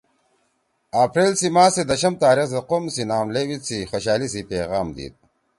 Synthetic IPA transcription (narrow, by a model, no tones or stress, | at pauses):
apɾeːlsimaːsed̪ɐɕɐmt̪aːɾixzɐqomsinaːmlewit͡sʰixoɕaːlisipeːɣaːmd̪ḭt̪̚